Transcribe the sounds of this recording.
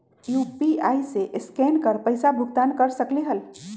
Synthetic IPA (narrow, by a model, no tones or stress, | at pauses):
jupiajseʔɪskɛnkəɾpəɪsabʱʊɡt̪ankəɾsəkliɦəl